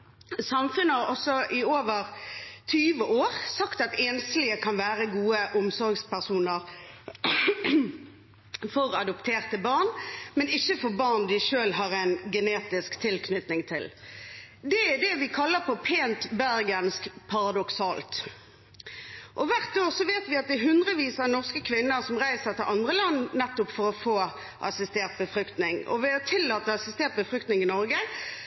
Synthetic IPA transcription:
sɑmfʉnːəhɑʁɔsɔʔɪoːʋəʁt̪ʰyːʋəʔoːʁsɑkt̪ɑt̪eːnslɪəkʰɑnʋæːʁəɡuːəʔʊmsɔɾɡspæʁsuːnəʁ | fɔʁɑd̪ɔpt̪ʰeːʁt̪əbɑʁnmɛnɪçːəfɔʁbɑʁnd̪ɪʃøːlɦɑʁæɪnɡɛneːt̪ɪskt̪ʰɪlkʰnʏt̪nɪŋt̪ʰɪl | d̪ɛd̪ɛʋɪkʰɑlːəpʰɔpʰeːnt̪bæʁɡənskpʰɑʁɑd̪ɔksɑːlt̪ | ʔɔʋæʁt̪oːʁsɔʋeːt̪ʋɪɑt̪̚d̪ɛɦʉnd̪ʁəʋiːsɑnɔʁskəkʰʋɪnːəʁsɔmʁæɪsəʁt̪ɪlʔɑnd̪ʁəlɑnːnɛt̪ːʊpfɔɾɔfoː | ʔɑ̰sɪst̪eːʁt̪̚bəfɾʏkt̪nɪŋɔ̰ʋɪɑt̪ʰɪlːɑːt̪ːəɑsɪst̪eːʁt̪̚bəfɾʏkt̪nɪŋɪnɔɾɡə

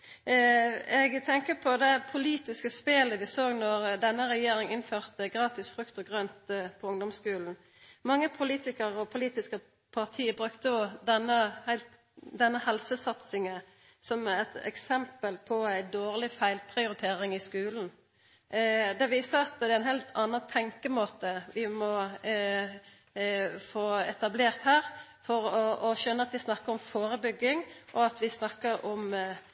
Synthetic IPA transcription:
ɛɡt̪ʰɛŋkəpʰɔd̪ɛpʰʊliːt̪ɪskəspeːləʋɪsoːɡnɔʁd̪ɛnːəʁɛjeːɾɪŋɪnføːʁt̪əɡʁɑːt̪ɪsfɾʉkt̪ɔɡʁœnt̪pʰɔʊŋd̪ɔmskʉːln̩ | mɑŋːəpʰʊliːt̪ɪkəʁɔpʰʊliːt̪ɪskə | pʰɑʁt̪ʰiːbʁʉkt̪əɔd̪ɛnːəhæɪlt̪ | d̪ɛnːəhɛlsəsɑt̪sɪŋə | sɔmɛt̪ɛ̰ksɛmpəlpʰɔæɪd̪oːʁlɪfæɪlpʰʁɪʊɾɪt̪ʰeːɾɪŋɪskʉːln̩ | d̪ɛʋiːsəɑt̪d̪ɛːæɪnhæɪlt̪ʰɑnːɑt̪ʰɛŋkəmoːt̪əʋɪmɔ | foːɛt̪ɑbleːʁt̪hæːʁ | fɔɾɔɔʃœnːəɑt̪ʋɪsnɑkːəɾɔmfoːɾəbʏɡːɪŋʔɔɑt̪ʋɪsnɑkːəɾɔm

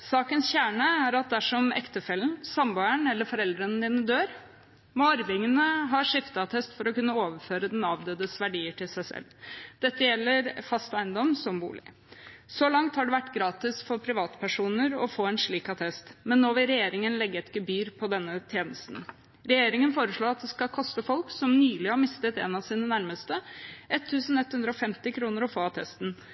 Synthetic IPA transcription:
sɑːkənsçæːɳəæɾɑt̪̚d̪æʂɔmɛ̰kt̪əfɛlːən̩sɑmbøːəɳɛlːəfɔɾɛld̪ɾənəd̪iːnəd̪øːɾ | mɔɑɾʋɪŋənəɦɑːʂɪft̪ɑt̪ʰɛst̪fɔɾɔkʉnːəoːʋəɾføːɾəd̪ɛnɑːʋd̪øːd̪əsʋæɖiːəʈʰɪlsæɪsɛ̰ld̪̥ɛt̪ːəjɛlːəɾfɑst̪əæɪnd̪ɔmsɔmbṵːlɪ̰ | sɔlɑŋt̪hɑɖɛʋæʈːɡɾɑːt̪ɪsfɔɾpʰɾɪʋɑːt̪pʰæʂuːnəɾɔfoːɛnʂɭiːkɑt̪ʰɛst̪mɛnːoːʋɪlɾɛjeːɾɪŋənlɛɡːəɛt̪ɡəbyːɾpʰɔd̪ɛnːət̪ʰjeːnəst̪n̩ | ɾɛjeːɾɪŋənfoːɾəʂɭoːɑt̪̚d̪ɛskɑlkʰɔst̪əfɔlksɔmnyːlɪhɑɾmɪst̪ət̪ḛːnɑsiːnənæɾməst̪əʔɛt̪ʰːʉːsn̩ɛt̪ːhʉnd̪ɾəɔfɛmt̪ɪkʰɾuːnəɾɔfoːɑt̪ʰɛst̪n

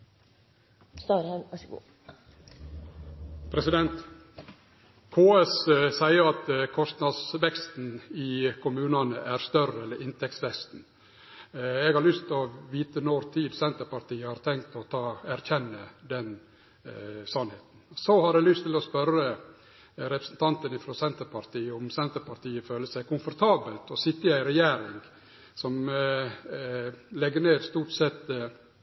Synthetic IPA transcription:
st̪ɑɾhɛnæɡṵː | pʰɾɛsɪd̪ɛnt̪ | kʰoːɛssæɪəɾɑt̪kʰɔsnɑd̪sʋɛkst̪n̩ɪkʰʊmʉːnɑnəʔæɾst̪œrəɛlːəɾɪnt̪ʰɛk̚t̪sʋɛkst̪n̩ | ɛɡhɑɾɭʏst̪ʰɪɔʋiːt̪ənɔɾt̪ʰiːd̪sɛnt̪əɾpɑɾt̪iːəhɑɾt̪ʰɛŋkt̪ɔt̪ʰɑːæɾçɛnːəd̪ɛn | sɑnheːt̪n̩sɔhɑɾɛlʏst̪ʰːɪlɔspœɾə | ɾɛpɾəsn̩t̪ʰɑnt̪ənɪfɾɑsɛnt̪əɾpʰɑɾt̪ʰiːəʊmsɛnt̪əɾpʰɑɾt̪ʰiːəføːləsæɪkʊmfɔɾt̪ʰɑːbəlt̪ɔsɪt̪ːəæɪɾɛjæːɾɪŋɡ | sɔm | lɛɡəneːd̪st̪uːʈsɛt̪

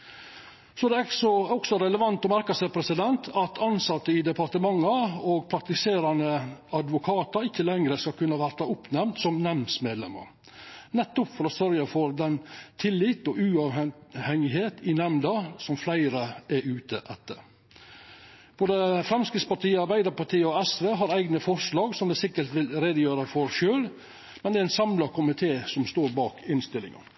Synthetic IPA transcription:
sɔd̪ɛsɔɔksɔɾɛləʋɑnt̪ɔmæɾkɑsɛpʰɾɛsɪd̪ɛnt̪ʰɑt̪ʰɑnsɑt̪ːəɪd̪ɛpɑɾʈ̪əmɑŋːɑoːɡpʰɾɑk̚t̪ɪseːɾɑnəɑd̪ʋʊkʰɑːt̪ɑɾɪçːəlɛŋɾəskɑlkʰʉnːəʋæɾt̪ɑʊpnɛmnt̪sɔmnɛmnsmeːd̪lɛ̰mə̰ɾ | nɛt̪ːʊpfɔɾɔsœɾjɑfɔɾd̪ɛnt̪ʰɪlːɪt̪ɔʔʉɑʋhɛŋɪɦeːt̪ɪnɛmd̪ɑsɔmflæɪɾəʔɛʉːt̪əʔɛt̪ːə̰ɾ | b̥oːd̪əfɾɛmskɾɪt̪spɑʈʰiːəɑɾbæɪd̪əɾpɑʈʰiːəɔɛsʋeːɦɑɾæɪɡnəfɔʂlɑːɡsɔmd̪ɛsɪkːəɾt̪ʋɪlɾeːd̪əjøːɾəfɔɾʃøːl | mɛnd̪ɛæɪnsɑmlɑkʰʊmɪt̪ʰeːsɔmst̪oːɾbɑːkɪnst̪ɪlɪ̰ŋɑ̰n

